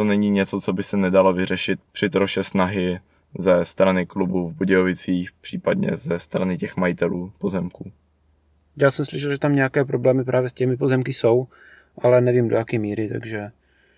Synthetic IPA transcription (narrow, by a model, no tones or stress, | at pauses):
t̪onɛɲiːɲɛt͡so̞t͡sobɪsɛnɛdalavɪr̝ɛʃɪt̪̚pr̥ɪt̪ɾoʃɛsnaɦɪ | zɛst̪ɾanɪklubuvbuɟɛjovɪt͡siːxpr̥iːpadɲɛ̰zɛst̪ɾanɪcɛxmajɪt̪ɛluːpozɛmkuː | jaːsɛmslɪʃ̬ɛlʒɛt̪amɲɛakɛːpɾo̞blɛːmɪpɾaːvjɛscɛmɪpo̞zɛmkɪso̞w | ʔalɛnɛviːmdo̰jakɛmiːɾɪt̪a̰ɡʒɛ